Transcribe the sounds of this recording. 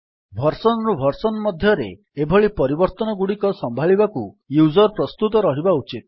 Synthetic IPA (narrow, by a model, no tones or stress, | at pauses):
bʱɔɾsɔnɔɾubʱɔɾsɔnɔmɔd̪ʱjɔɾḛː | bʱɔɭipɔɾibɔɾt̪ɔnɔɡuɽikɔsɔmbʱaɭibaku | juzɔɾpɾɔst̪ut̪ɔɾɔɦibaut͡ʃit̪̚